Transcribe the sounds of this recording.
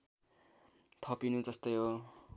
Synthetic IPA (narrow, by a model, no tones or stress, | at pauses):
t̪ʰʌpinũd͡zʌst̪ojo